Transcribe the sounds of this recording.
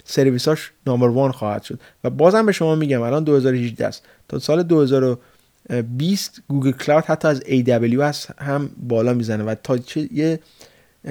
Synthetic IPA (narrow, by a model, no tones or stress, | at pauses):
se̞ɾviːsɒːʃnɒːmeɾvɒːnxɒːhæ̰d̪̥ʃod̪̥væbɒːzhæmbe̞ʃo̞mɒːmiːɟæmælɒːnd̪o̞he̞zɒːɾohiʒd̪æ̰s | t̪ʰɒːsɒːled̪ohe̞zɒːɾo | bist̪ɡuːɡelkʰlɒt̪hæt̪ʰːɒːæzejd̪æbeljoæshæmbɒːlɒːmiːzænevæt̪ʰɒːt͡ʃʰeje